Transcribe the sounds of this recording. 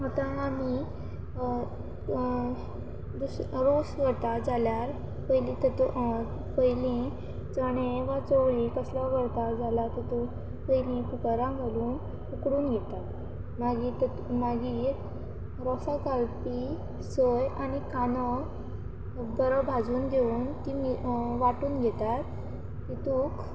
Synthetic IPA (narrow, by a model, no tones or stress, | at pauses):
ɦat̪ãami | d̪usɾosʋəɽt̪ad͡zaljaɾ | pəɦilĩt̪ət̪ | pəɦilẽ | t͡səɽ̃eʋat͡səʋɭiːkəslaʋəɽt̪ad͡zalat̪ət̪u | pəjlẽkukaɾãɡʱaluːn | ukɽuːnɡʱɛt̪at̪ | maɡi | maɡiːɾ | ɾɔsakalpi | səjanikanə | bəɾəbʱad͡zuːnd̪euːnt̪iːmiʋaʈuːnɡʱɛt̪at̪ː | it̪uːk